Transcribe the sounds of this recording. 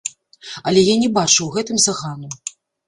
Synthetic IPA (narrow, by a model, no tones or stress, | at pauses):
ɐlʲɛjanʲɛbat͡ʂɨwɣɛt̪ɨmzaɣanu